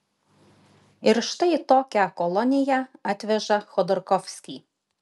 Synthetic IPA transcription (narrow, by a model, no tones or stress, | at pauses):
ɪɾʃt̪ɐɪt̪oːkʲɛkɔlˠɔnʲɪjɛɑːt̪ʲʋʲɛʒɐxɔd̪ɔɾkɔfʲsʲkʲiː